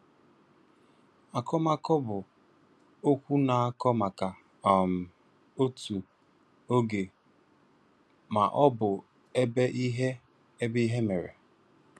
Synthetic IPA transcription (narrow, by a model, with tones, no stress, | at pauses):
a˨kɔ˦ma˦kɔ˦bʊ˨ | o˦kʷu˦na˨a˦kɔ˦ma˨ka˨ | a˨m̩˨ | o˦tu˨ | o˦ɡe˨ | ma̰˨ʔɔ˦bʊ˨ | e˦be˦ʔi˦ɦe˦ | e˦bi˦ɦe˦me˨ɾḛ˨